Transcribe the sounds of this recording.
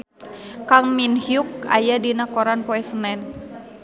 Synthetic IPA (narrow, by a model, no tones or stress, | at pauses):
kaŋminhjuk̚a̰jadinakɔɾanpoɛsənɛn